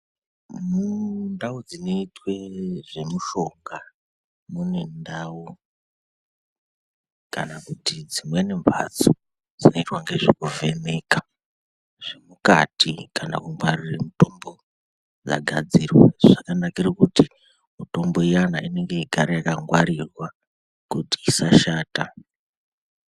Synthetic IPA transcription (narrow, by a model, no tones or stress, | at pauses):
mundaud͡zino̞itwe̞ʐe̞muʃo̞ŋɡa | mune̞ndawu | kanakutid͡zimwenembʱa̰t͡so | d͡zino̞itwaŋɡe̞ʐekuve̞ne̞ka | ʐ̥emuka̰tikana̰kuŋɡwariremuto̞mbo̞ | d͡za̰ɡʱa̰d͡zirwaʐakanakirekuti | muto̞mbo̞ijanaine̞ŋɡe̞iɡʱaɾejakaŋɡwaɾirwa | kutiːsaʃaːta